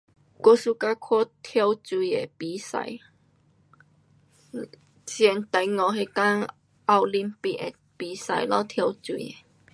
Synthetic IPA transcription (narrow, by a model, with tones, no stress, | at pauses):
ko˧su˧ka˧kʰo˦t̪ʰjɔ˧wt͡su˧˨e˨˩pi˨˦sa̰˨˧˦j | t͡ɕjɛ˧nt̪a˨˧jŋɔ˧ɦe˧ka˦ŋ | ʔa˧wli˧mpi˧k̚e˨˩ | pi˨˦sa˨jlɔ˦t̪ʰjɔ˧wt͡su˧˨e˨˩